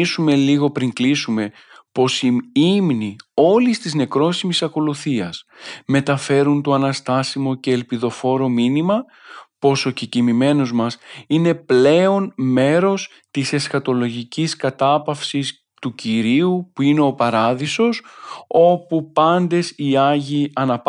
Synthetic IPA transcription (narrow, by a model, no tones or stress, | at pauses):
sume̞liɣo̞pɾiŋklisume̞ | po̞siimnio̞list̪izne̞kɾo̞simisɐko̞luθiɐsme̞t̪ɐfe̞ɾunt̪o̞ɐnɐst̪ɐsimo̞ce̞ːlpiðo̞fo̞ɾo̞minimɐ | po̞so̞cicimime̞no̞zmɐsine̞ple̞o̞nme̞ɾo̞s | t̪ise̞sxɐt̪o̞lo̞ʝiciskɐt̪ɐpɐfsis | t̪uciɾiupuine̞o̞pɐɾɐðiso̞so̞pupɐnd̪e̞siɐʝiɐnɐp